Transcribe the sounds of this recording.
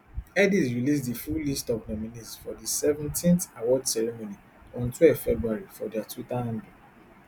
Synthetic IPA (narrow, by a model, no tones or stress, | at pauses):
ɛdisɹilis̬difulistɔvnɔmĩnitfɔdisɛvɛ̃ntʰĩnθawɔdsɛɹimõni | ɔ̃ntʰwɛfɛbɹuaɹifɔdɛatʰitaãndu